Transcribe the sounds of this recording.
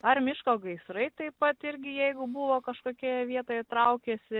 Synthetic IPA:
ɐrmʲɪʃkoːɡɐɪsɾɐɪt̪ɐɪpɐt̪ɪɾʲɡʲɪjɛɪɡʊbʊʋoːkɐʃkoːkʲijɛʋʲiɛt̪oːjɛt̪ɾɐʊkʲeːsʲɪ

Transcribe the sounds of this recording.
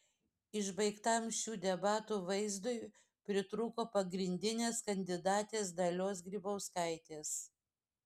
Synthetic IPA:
ɪʒbɐɪkt̪ɐmʃʲuːd̪ʲɛbɑːt̪uːʋɐɪzd̪ʊj | pʲɾʲɪt̪ɾuːkoːpɐɡɾʲɪnʲd̪ʲɪnʲeːskɐnʲd̪ʲɪd̪ɑːt̪ʲeːsd̪ɐlʲoːs̬ɡɾʲiːbɐʊskɐɪt̪ʲeːs

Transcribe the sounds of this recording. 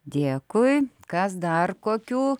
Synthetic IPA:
d̪ʲeːkʊjkɐsd̪ɐrkoːkʲuː

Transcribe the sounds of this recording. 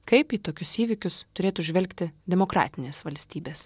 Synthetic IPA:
kɐɪpiːt̪oːkʲʊsiːʋʲɪkʲʊst̪ʊɾʲeːt̪uːʒʲʋʲɛlʲkt̪ʲɪd̪ʲɛmoːkɾɑ̰ːt̪ʲɪnʲeːsʋɐlʲsʲt̪ʲiːbʲeːs

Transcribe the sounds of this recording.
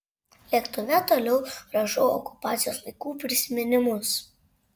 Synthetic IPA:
lʲiɛkt̪ʊʋʲɛt̪oːlʲɛʊɾɐʒɔjoɔ̰kʊ̥pɑːt̪sʲɪjoːslˠɐɪkuːpʲɾʲɪsʲɪmʲɪnʲɪmʊs

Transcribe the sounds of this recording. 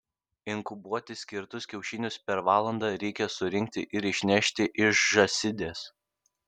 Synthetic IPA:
ɪŋkʊbuɔt̪ʲɪsʲkʲɪɾt̪ʊsʲkʲɛʊʃʲɪnʲʊspʲɛɾʋɑːlˠɐnd̪ɑːɾʲɛɪkʲɛsʊɾʲɪŋʲk̚ʲt̪ʲɪ̰ʔɪɾɪʃʲnʲæʃʲt̪ʲɪʔɪʃʒɐsʲɪd̪ʲeːs

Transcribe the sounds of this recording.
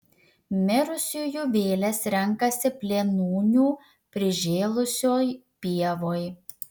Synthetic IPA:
mʲɪɾʊsʲuːjuʋʲeːlʲɛsɾʲɛŋˑkɐsʲɪpʲlʲeːnuːnʲuː | pʲɾʲɪʒʲeːlˠʊsʲoːj | pʲiɛʋoːj

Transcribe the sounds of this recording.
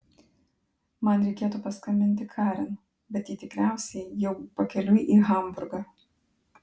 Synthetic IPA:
mɐnɾʲɛɪkʲeːt̪uːpɐskɐmʲɪnʲt̪ʲɪkʰɑːɾʲɪn | bʲɛt̪jiːt̪ʲɪkɾʲæˑʊsʲɛɪjɛʊpɐkʲɛlʲʊjʔiːɣɐˑmbʊɾɡɑː

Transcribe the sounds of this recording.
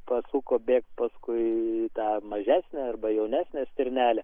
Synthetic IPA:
pɐsuːkoːbʲeːkt̪pɐskʊɪt̪ɑːmɐʒʲæːsʲnʲæɐrbɐjɛʊnʲæːsʲnʲeːsʲt̪ʲɪɾʲnʲæːlʲɛ

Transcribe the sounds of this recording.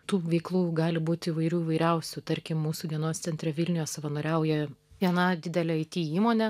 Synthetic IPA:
t̪uːʋʲɛɪklˠuːɡɑːlʲɪbuːt̪ʲiːʋɐɪɾʲuːiʋɐɪɾʲɛʊsʲut̪ɐɾʲkʲɪmmuːsud̪ʲiɛnoːst̪sʲɛnʲt̪ʲɾʲɛʋʲɪlʲnʲɪjoːssɐʋɐnoːɾʲɛʊjɛʋʲiɛnɑd̪ʲɪd̪ʲɛlʲɛɐɪt̪ʲiːiːmoːnʲɛ

